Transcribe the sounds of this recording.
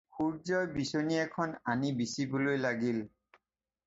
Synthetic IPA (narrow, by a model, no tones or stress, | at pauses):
xuɹzɔjbisoniɛkʰɔnanibisibolojlaɡil